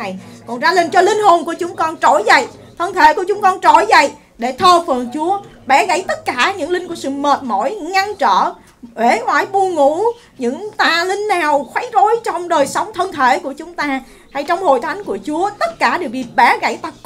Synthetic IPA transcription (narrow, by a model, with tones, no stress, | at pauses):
a˨˩jkɔ˨˩nzaː˧li˧˩nt͡ɕɔ˧lï˧ŋ̟ho˨˩nku˧˩ət͡ɕʊ˨˦ŋ͡mkɔ˧nt͡ɕo˧˩jzə̰˧˨j | t̪ʰə˧nt̪ʰḛ˧˩˦ku˧˩ət͡ɕʊ˨˦ŋ͡mkɔ˧nt͡ɕo˧˩jzə̰˧˨j | ɗe˧˩t̪ʰəː˧fə˨˩nt͡ɕu˨˦ə | ɓɛ˧˩ɣa̰˧˥jt̪ə˦˥t̚kaː˧˩ɲɨ̰˧˥ŋlï˧ŋ̟ku˧˩əsɨ̰˧˨məː˨˩t̚mo̰˧˥jŋa˧nt͡ɕə̰ː˧˨ | ʔwe˧˨˦ŋwaː˧˩jɓu˧ŋṵ˧˥˨ | ɲɨ̰˧˥ŋt̪aː˨˩lï˧ŋ̟naː˨˩wxwa˨˦jzo˨˦jt͡ɕɔ˧wŋ͡mɗəː˨˩jsa˨˦wŋ͡mt̪ʰə˧nt̪ʰe˧˩ku˧˩ət͡ɕʊ˨˦ŋ͡mt̪aː˧ | ha˧jt͡ɕɔ˧wŋ͡mho˨˩jt̪ʰa˨˦jŋku˧˩ət͡ɕu˨˦ət̪ə˦˥t̚kaː˧˩ɗe˨˩ək̚vi˨˩t̚ɓɛ˧˩˦ɣa̰˧˩jt̪aː˧